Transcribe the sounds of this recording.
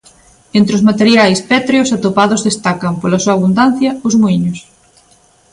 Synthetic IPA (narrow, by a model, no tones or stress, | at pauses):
ent̪ɾɪʊzmat̪eɾjajspɛt̪ɾeosat̪opaðozðest̪akɐmpolɐsuaːβund̪an̟θjɐʊzmuiɲʊs